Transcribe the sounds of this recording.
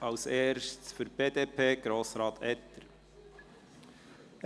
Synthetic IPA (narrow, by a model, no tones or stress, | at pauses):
ʔɑʊseːɾʃtsfʏɾb̥eːd̥̪eːpʰeːɡ̥ɾoːsɾɑːt̪ʰɛt̪ːəɾ